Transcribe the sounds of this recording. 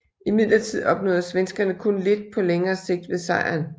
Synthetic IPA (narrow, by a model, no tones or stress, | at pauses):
ʔimið̞̰ˠlɐt͡sʰið̞̰ˠɒ̽b̥nɔ̽ːðˠɐsʋensɡ̥ɐnəkʰɔ̽nle̝d̥̚pʰɒ̽leŋɐːse̝ɡ̥̚d̥ʋe̝sɑ̈ɪ̰ɐn